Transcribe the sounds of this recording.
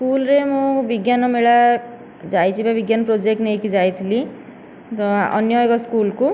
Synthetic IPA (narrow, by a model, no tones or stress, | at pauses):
skulɾemũbiɡjanɔmeɭa | d͡ʒajt͡ʃʰibabiɡjanɔpɾod͡ʒek̚ʈnejkid͡ʒajt̪ʰili | t̪ɔɔ̰njɔkɔskulku